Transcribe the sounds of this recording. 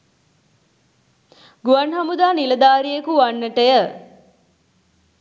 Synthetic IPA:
ɡuʋanɦamud̪aːniləd̪aːɾijekuʋanːəʈəjə

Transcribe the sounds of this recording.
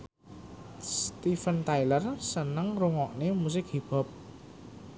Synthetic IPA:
st̪ifənt̪ajlərsənəŋruŋɔʔnemus̬ɪk̚hib̥ɔ̤p̚

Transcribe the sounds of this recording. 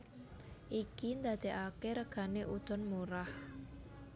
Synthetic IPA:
ʔikind̪ad̪̥e̤ʔakeɾəɡ̥a̤neʔud̪̥ɔ̤nmuɾah

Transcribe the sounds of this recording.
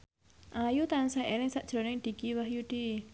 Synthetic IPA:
ʔajut̪ansaʔelɪŋsaʔd̥ɾɔnɪŋd̪̥i̤ɡ̥iwahjuɖ̥i

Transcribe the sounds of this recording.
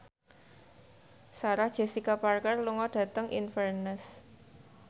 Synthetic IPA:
saɾahd̥ʒ̥ɛ̤sikaparkərluŋɔɖ̥ä̤t̪əŋʔḭnfərnəs

